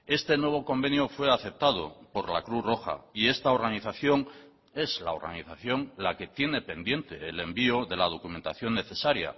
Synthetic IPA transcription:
e̞st̪e̞nwe̞β̞oko̞mbe̞njofwe̞aθe̞p̚t̪að̞o̰po̞ɾla̰kɾuθro̞xa̰ie̞st̪ao̞ɾɣaniθaθjo̞ŋ | e̞zla̰o̞ɾɣa̰niθaθjo̞ŋlake̞t̪je̞ne̞pe̞nd̪je̞nt̪e̞ːle̞mbioðe̞lað̞o̞kument̪aθjo̞nːe̞θesaɾja̰

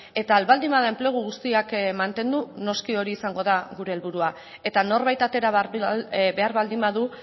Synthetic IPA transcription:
e̞t̪aːlβald̪imaðaempleɣ̞uɣ̞ust̪iakmant̪e̞nd̪uno̞skio̞ɾiːsaŋɡo̞ðaɣuɾe̞ːlβuɾua | e̞t̪ano̞ɾβajt̪at̪e̞ɾa | be̞aɾβald̪imbaðu

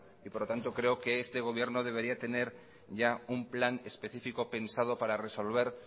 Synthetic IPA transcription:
ipoɾlot̪ant̪o̞kɾe̞oke̞est̪e̞ɣ̞o̞β̞je̞ɾnoð̞e̞β̞e̞ɾiat̪e̞ne̞ɾ | ʝaumplane̞spe̞θifiko̞pe̞nsað̞opaɾare̞so̞lβ̞e̞ɾ

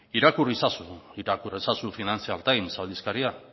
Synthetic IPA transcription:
iɾakurisasuiɾakurisasufinant͡sialt̪ajnsald̪iskaɾia

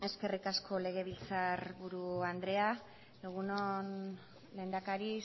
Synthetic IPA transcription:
e̞ske̞rikaskʰo̞le̞ɣ̞e̞β̞ilt͡sarβuɾuand̪ɾe̞a | eɣunon | le̞ːnd̪akaɾi

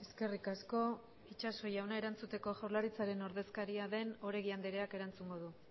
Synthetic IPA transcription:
e̞ske̞rikasko̞ | it͡ʃaso̞jawnae̞ɾant͡sut̪e̞ko̞ʝawɾlaɾit͡saɾe̞no̞ɾðe̞skaɾiaðe̞no̞ɾe̞ɣiand̪eɾe̞ake̞ɾant͡suŋɡo̞ðu

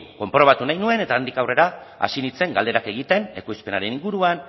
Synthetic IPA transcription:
ko̞mpɾo̞β̞at̪unajnue̞ne̞t̪aːnd̪ikawre̞ɾa | a̰sinit͡se̞ŋɡald̪e̞ɾake̞ɣit̪e̞ne̞̰kojspe̞naɾe̞niŋɡuɾuan

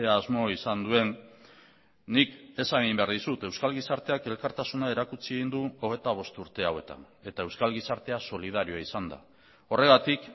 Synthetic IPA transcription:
eaːzmo̞isand̪ue̞n | ike̞saɣimbe̞aɾðisut̪e̞wskalɣisaɾt̪e̞ake̞lkaɾt̪asunae̞ɾakut͡sieɣind̪uo̞ɣ̞e̞t̪aβ̞o̞st̪uɾt̪e̞awe̞t̪a̰n | e̞t̪ae̞wskalɣisaɾt̪e̞aso̞lið̞aɾioaisand̪a̰ | o̞re̞ɣat̪ik

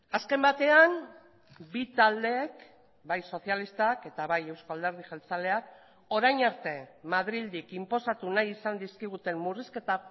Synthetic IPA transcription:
aske̞mbat̪e̞an | bit̪ald̪e̞k | bajso̞θialist̪ake̞t̪aβaje̞wskoald̪eɾð̞ixelt͡sale̞ak̚ | o̞ɾajɲaɾt̪e̞maðɾild̪ikimpo̞sat̪unajisand̪iskiɣ̞ut̪e̞mːuriske̞t̪a

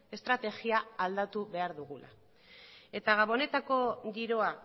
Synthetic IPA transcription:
e̞st̪ɾat̪e̞ɣiaːld̪at̪uβe̞aɾðuɣ̞ulʔa̰ | e̞t̪aɣaβo̞ne̞t̪ako̞ɡiɾo̞a

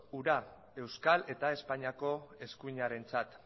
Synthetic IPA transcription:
uɾa | e̞wskale̞t̪ae̞spaɲiako̞e̞skuiɲaɾe̞nt͡sat̪

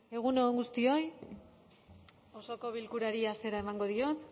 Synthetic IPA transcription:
e̞ɣ̞unooŋɡust̪io̞j | oso̞ko̞βilkuɾaɾiase̞ɾaemaŋɡo̞ðio̞t̪

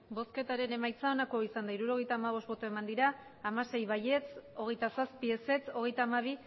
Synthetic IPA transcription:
bo̞ske̞t̪aɾe̞ne̞majt͡sao̞nako̞isand̪aiɾuɾo̞ɣe̞jt̪aːmaβ̞o̞st̪bo̞t̪oe̞mand̪iɾaː | mase̞jβaje̞t͡so̞ɣe̞jt̪asaspie̞se̞t͡so̞ɣe̞jt̪aːmaβ̞i

